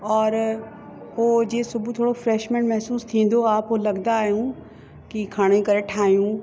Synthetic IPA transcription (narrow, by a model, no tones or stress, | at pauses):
ɔːɾ | ɦoːd͡ʑeːsʊbʱut̪ʰoːɽofɾɛːʃmẽːɳʈmɛɦsuːst̪ʰĩːn̆d̪oaːpɦolɐɡd̪aːɦijũ | kikʰaːɽ̃ekɐɾeʈʰaːijũ